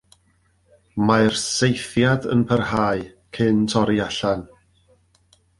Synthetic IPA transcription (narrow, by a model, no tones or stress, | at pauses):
maɨrsejθjadə̰npʰərhaːɨ | kʰɨntʰɔɾiaɬan